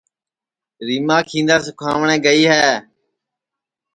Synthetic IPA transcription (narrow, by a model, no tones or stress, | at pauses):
ɾiːmaːkʰĩːnd̪aːs̬ʊkʰaːʋɳẽːɡəiːɦɛː